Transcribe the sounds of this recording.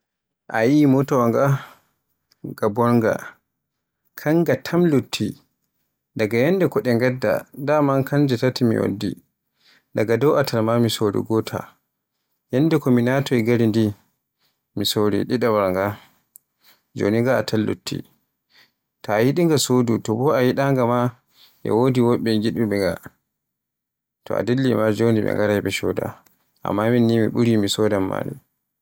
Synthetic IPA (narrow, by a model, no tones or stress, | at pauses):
ʔa̰jimɔtɔwaŋɡa | ɡabɔɾŋɡa̰ | kʰaŋɡatʰamlutʰːi | daɡajɛnːdɛkɔɗɛŋɡɛdːa̰damankʰand͡ʒɛtatimḭwo̰dːḭ | daɡadɔwʔatʰalmamisoɾḭɡɔtʰa̰ | jɛnːdɛkɔminatɔɛɡaɾindi | misoɾḭɗiɗawaɾŋɡa | d͡ʒo̰ːniŋɡaːtʰalːo̰tʰːḭ | tahiɗiŋɡasodutɔbɔahiɗaŋɡama | ʔɛ̰wodiwoɓːɛɡiɗuɓɛŋɡa | tɔ̰a̰delːimad͡ʒoniɓɛ̰ŋɡaɾajbɛʃɔ̰da̰ | ʔa̰mːaminːimiɓuɾimisɔdamːa̰ːnḭ